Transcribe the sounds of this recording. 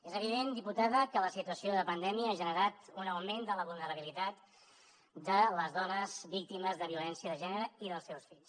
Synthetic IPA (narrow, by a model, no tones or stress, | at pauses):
ezəβ̞iðend̪iput̪aðəkələsit̪uəsioðəpənd̪ɛmiəaʒənəɾat̪unəwmend̪ələβulˠnəɾəβ̞ilit̪at̪ | d̪ələzðɔnəzβik̚t̪iməzðəβiulɛnsiəðəʒɛnəɾəiðəlˠsɛwsfiʎs